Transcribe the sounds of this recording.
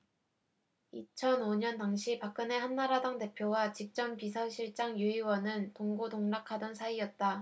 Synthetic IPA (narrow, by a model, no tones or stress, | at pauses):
it͡ɕʰʌnoɲʌntaŋɕʰipak̚k͈ɯne̞hanːaɾadaŋte̞pʰjowat͡ɕik̚t͡ɕ͈ʌmpisʰʌɕʰiɭt͡ɕ͈aŋjuiwʌnɯntoŋɡotoŋnakʰadʌnsʰaiʌt̚t͈a